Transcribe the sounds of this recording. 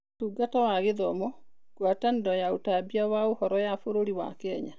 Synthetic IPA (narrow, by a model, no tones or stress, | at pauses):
tuːɡatawaɣeðɔmɔ | kwatandɔjaotabiawaohɔɾɔjafoɾoɾiwa̰kɛɲa